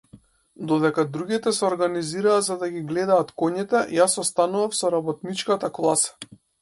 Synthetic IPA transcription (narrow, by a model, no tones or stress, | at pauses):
d̪ɔd̪ɛkad̪ɾuɡit̪ɛsɛɔɾɡaniziɾaːzad̪aɡʲiɡlɛd̪aːt̪kɔɲit̪ɛjasɔst̪anuvafsɔɾabɔt̪nit͡ʃkat̪aklˠasḁ